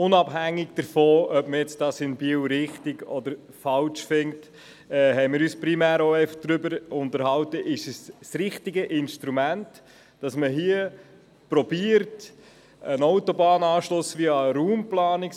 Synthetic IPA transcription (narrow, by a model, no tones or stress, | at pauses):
ʊnɑbɦæŋːɪɡd̥əɾfoːœpməjɛt͡sd̥ɑsɪnbiəwɾɪχtɪɡɔd̪əɾ | fɑlt͡ʃfɪŋt | ɛːɦɛɪmɪːɾyːspɾimæːɾoɛɪfəχd̥̪ɾʏbəɾʊntəɾhɑwtəʔɪʃssɾɪχtɪɡəʔɪnʃtɾumæntː | d̥ɑsməɦiə | pɾɔbiəɾt | ənɔʊtobɑːnɑːʃlʊsʋiɑɾuːmplɑːnɪk